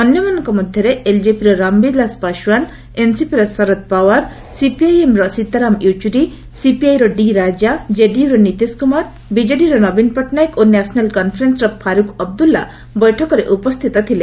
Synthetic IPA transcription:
ɔnjɔmanɔ̃ŋkɔmɔd̪ʱjɔɾeeld͡ʒepiɾɔɾambid̪laspaʃuwan | ensipiɾɔsɔɾɔt̪̚pawaɾ | sipiajemɾɔsit̪ːaɾamit͡ʃuɾi | sipiajɾɔɖiɾad͡ʒad͡ʒeɖiuɾɔnit̪iskumaɾ | bid͡ʒeɖiɾɔnɔbinpɔʈʰnajkonɛsɔnalkɔnpʰɾensɾɔpʰaɾukɔb̚d̪ulːa̰ | bɔjʈʰɔkɔɾeʔupɔst̪ʰit̪ɔt̪ʰile

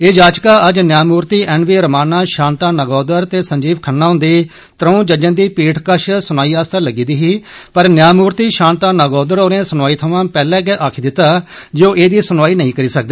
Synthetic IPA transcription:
eːd͡ʒaːd͡ʒkaːʔəd͡ʒnjaːmuːɾt̪iːʔɛːnʋiːɾəmaːnaːʃãːnt̪aːnəɡɔːd̪əɾt̪eːsəɲd͡ʒiːbkʰənːãːɦʊ̃nd̪eː | t̪ɾəũːd͡ʒəd͡ʒə̃nd̪iːpiːʈʰkəʃsʊnaːiːaːst̪aːləɡiːd̪iːɦiːpəɾnjaːmuːɾt̪iːʃãːnt̪aːnəɡɔːd̪əɾoːnẽːsʊnʋaːiːt̪ʰəʋãːpɛːlɛ̃ːɡɛʔaːkʰiːd̪ɪt̪ːaːd͡ʒoːʔeːd̪iːsʊnʋaːiːnəĩːkəɾiːsək̚d̪eː

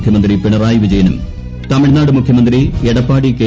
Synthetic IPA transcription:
kʰjɐmɐnd̪ripeɳɐraːjiʋid͡ʑɐjɐnum | t̪ɐmiɽnːaːɽɨmukʰjɐmɐnd̪rieɽɐpːaːɽike

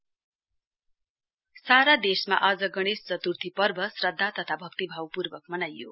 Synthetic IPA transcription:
saɾad̪esma̰ʔad͡zʌɡʌɽ̃est͡sʌt̪urt̪ʰipʌrbʱʌsrʌd̪ʱːat̪ʌt̪ʰabʱʌk̚t̪ibʱawpurbʌk̚mʌnajːo̰

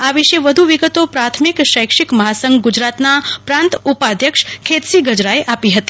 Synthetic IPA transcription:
aʋiʃeʋəd̪ʱuʋiɡət̪opɾat̪ʰmikʃəjkʂikməɦasəŋɡɡud͡ʒɾat̪napɾãnt̪upad̪ʱjəkʃkʰet̪siɡəd͡ʒɾaeʔapiɦət̪i̥

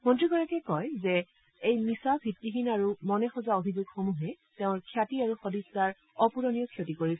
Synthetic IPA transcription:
mɔntɹiɡɔɹakɛkɔjzɛ | ejmisabʱitːixinaɹumɔnɛxɔzaobʱizuɡxɔmuɦɛ | teʊ̃ɹkʰjatiaɹuxɔdisːaɹ | ɔpuɹonijɔkʰjotikoɹisɛ

